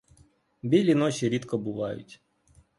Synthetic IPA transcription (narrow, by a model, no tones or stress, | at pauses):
bʲilʲinɔt͡ʃiɾʲit̪kɔbʊʋɑjʊ̰tʲ